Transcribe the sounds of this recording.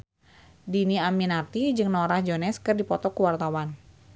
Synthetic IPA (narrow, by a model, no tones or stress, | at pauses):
diniaminat̪id͡ʒɨŋnɔɾahd͡ʒonɛskɨrdipɔt̪ɔkuwart̪awan